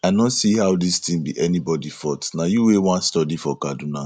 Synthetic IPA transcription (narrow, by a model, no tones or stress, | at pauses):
aɪnɔtsihawdistĩmbḭʔɛnibɔdifɔtnajuwewãnstɔdifɔkaduna